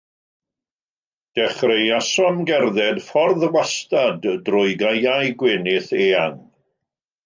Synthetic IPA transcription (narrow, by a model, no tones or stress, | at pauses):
d̥ɛχrejasɔmɡɛrðɛd̥fɔrðwastadrʊɨɡajajɡwɪnɪθeːaŋ